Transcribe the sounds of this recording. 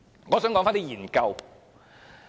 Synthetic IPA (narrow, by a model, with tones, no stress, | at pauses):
ŋɔː˨˧sœː˨˥ŋkɔː˨˥ŋfaː˥nt̪i˥wjiː˨˩nkɐ˧w